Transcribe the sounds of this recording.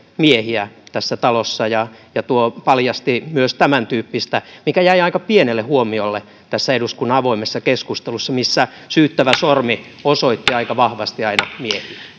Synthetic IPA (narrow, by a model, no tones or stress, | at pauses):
miehiæt̪æsːæt̪ɑlosːɑjɑjɑt̪uopɑljɑst̪imyøst̪æmænt̪yːpːist̪æmikæjæiɑikɑpienelːehuomiolːe | t̪æsːæeduskunːɑɑʋoimesːɑkeskust̪elusːɑmisːæ | syːt̪ːæʋæsormi | osoit̪ːiɑikɑʋɑhʋɑst̪iɑinɑmiehiæ